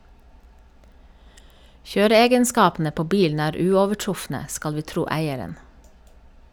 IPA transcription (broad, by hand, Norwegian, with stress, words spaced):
ˈçøːɾəˌeːɡənˌskɑːpn̩ə ˈpoː ˈbiːln̩ ˈæːɾ ˈʉːɔʋəˌʈɹʊfnə ˈskɑl ˈʋiː ˈtɾuː ˈæɪəɾən